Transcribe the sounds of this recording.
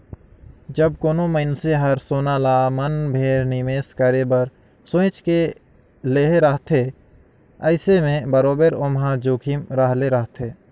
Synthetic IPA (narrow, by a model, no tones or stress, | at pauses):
d͡ʒəb̚koːnõməɪnseɦɐɾsoːnaːlaːmənbʱeːɾnimeːskəɾebəɾ | sõːt͡ʃke | leːɦeɾəɦt̪ʰe | əɪsemẽbəɾoːbəɾomɦãd͡ʒoːkʰimɾaɦleɾəɦt̪ʰeː